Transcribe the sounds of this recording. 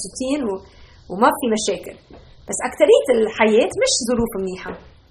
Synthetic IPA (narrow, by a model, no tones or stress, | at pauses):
sɪt̪iːnw | wmabfimaʃeːkɪl | basːʔakt̪aɾɪjːat̪ɪlħajeːt̪mɪʃzˤʊɾuːfmniːħa